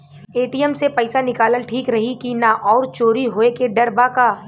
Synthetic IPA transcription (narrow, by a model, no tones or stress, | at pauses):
eːʈijəmsepɐɪsanɪkaːləlʈʰiːkɾɐɦikinaʔɔːɾt͡ʃoːɾiɦoːekeɖɐɾbakaː